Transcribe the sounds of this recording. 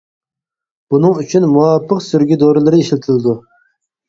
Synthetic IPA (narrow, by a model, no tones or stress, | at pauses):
b̥unɨŋyt͡ʃʰynmuwɑpʰːəqsyɾɡʲid̪oɾɨlˠɨɾɨiʃlʲɪt̪ʰɪlɪd̪u